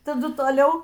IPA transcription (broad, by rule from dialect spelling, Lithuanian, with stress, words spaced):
tɐˈdʊ toːˈlʲɛʊ